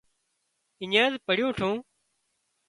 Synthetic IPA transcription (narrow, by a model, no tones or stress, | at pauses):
ɪɲə̃ːzpəɽɪjũːʈʰũː